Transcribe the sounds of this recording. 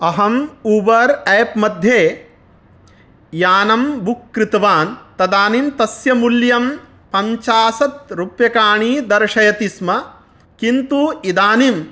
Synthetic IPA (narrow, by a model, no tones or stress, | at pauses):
ɐɦɐmuːbɐɾɛːpmɐd̪ʱjeː | jaːnɐmbukːɾɪt̪ɐʋaːnt̪ɐd̪aːnimt̪ɐsjɐmuljɐm | pɐɲt͡ʃaːsɐt̪ɾupjɐkaːɳiːd̪ɐɾʃɐjɐt̪ismɐ | kint̪uːid̪aːnim